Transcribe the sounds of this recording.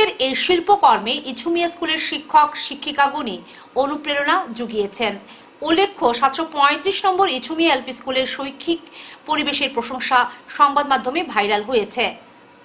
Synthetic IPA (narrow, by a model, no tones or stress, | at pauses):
eɾejʃilpokɔɾmeʔit͡ɕʰumijaskuleɾʃikʰːokʃikʰːikaɡuni | onupɾeɾonad͡ʑuɡijet͡ɕʰen | ulːekʰːoʃat̪ʃopɔet̪ɾiʃnɔmboɾit͡ɕʰumiaelpiskuleɾʃojkʰːikpoɾibeʃeɾpɾoʃoŋʃaʃɔŋbad̪mad̪ʱːomebʱajɾalɦojet͡ɕʰe